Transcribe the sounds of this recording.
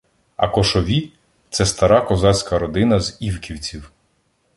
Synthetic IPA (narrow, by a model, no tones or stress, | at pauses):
ɐ̰kɔʃɔʋʲi | t̪sɛst̪ɐɾɑkɔzɑt͡sʲkɐɾɔd̪ɪnɐziwkʲiwt͡sʲiw